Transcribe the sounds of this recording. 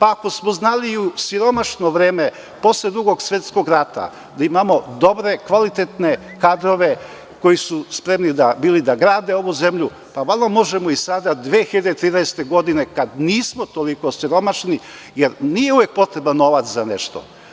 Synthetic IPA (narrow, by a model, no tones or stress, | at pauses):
paːko̞smoznaliusiɾo̞maʃno̞ʋɾeːme̞ | po̞sled̪ɾuɡo̞ɡsʋet̪sko̞ɡɾat̪a̰ | d̪aimamo̞d̪o̞bɾe̞kʋalit̪et̪ne̞ | kad̪ɾo̞ʋe̞ | ko̞jisuspɾe̞mnid̪abiːlid̪aɡɾaːd̪e̞o̞ʋuze̞mʎu | paʋalˠomo̞ʒemoisad̪ad̪ʋeːxiʎed̪et̪ɾiːnɛese̥t̪eɡo̞d̪ine̞kad̪niːsmot̪olikosiɾo̞maʃni | jeɾnije̞uʋe̞k̚po̞t̪ɾe̞banːo̞ʋat̪szaneʃt̪o̞̰